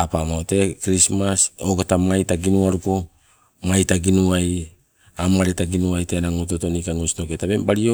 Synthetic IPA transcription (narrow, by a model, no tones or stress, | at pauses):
apamaote̞kɾismasokatamajtaɡinuaɾupo | majtaɡinuaj | amaɾetaɡinuajtenaŋototo̞nikaŋosinoketabembaɾio